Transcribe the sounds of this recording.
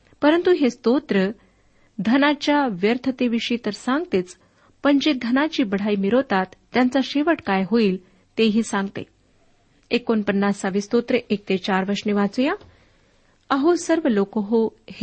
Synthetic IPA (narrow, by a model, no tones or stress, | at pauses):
pəɾənt̪uɦest̪ot̪ɾə | d̪ʱənat͡ɕjaʋjəɾt̪ʰət̪eʋiʂit̪əɾsãŋɡt̪eːt͡s | pəɳd͡ʑed̪ʱənat͡ɕiːbəɽ̤aimiɾot̪at̪ːjant͡saɕeʋəʈkajɦoiːl | t̪eɦiːsãŋɡt̪ḛ | ekːonpənːast͡saʋist̪ot̪ɾəʔek̚t̪et͡ɕaɾʋəɾʂniʋat͡suja | aɦosəɾʋəlokoɦoh